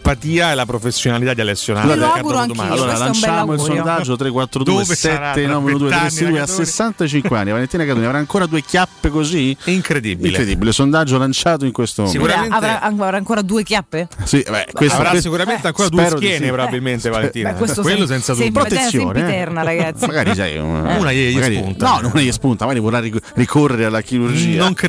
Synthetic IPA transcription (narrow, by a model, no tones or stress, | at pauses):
pat̪iːaɛlapɾofesːjonalit̪ad̪ialesːjona̰aaɡuɾoaŋoaalːoːɾalant͡ʃamoilsond̪atd͡ʒːot̪ɾekːwat̪ːɾod̪uːesɛt̪ːenɔveunod̪uːt̪sid̪uːeasesːant̪at͡ʃiŋkwea̰nːiavalent̪inakat̪oːniavɾaːŋkoːɾad̪uːekjapːekoziiŋkɾed̪ḭbiiŋlkɾed̪ḭbilesond̪ad͡ʒːolant͡ʃaːt̪̬oiŋkwest̪omouɾaenavɾaavɾaːŋkoːɾad̪uːekjapːesiʔbɛ̰kwesɾasikuɾament̪eaŋkoːɾad̪ueɛːɾokjɛnepɾobabilment̪evalet̪iːnwewelːosɛnsad̪pɾoesːjoːneɛrnaɾaɡat̪ːmaɡaːɾit͡ʃa̰jṵnunajɛjaɡaːɾiunt̪anɔnonajespunt̪amaɡaɾivorrairikʰorːeɾealːakiɾurd͡ʒiːanoŋ